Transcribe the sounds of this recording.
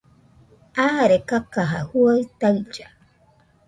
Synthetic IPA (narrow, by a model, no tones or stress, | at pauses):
aːɾekakaɦahuajt̪aɰd͡ʒa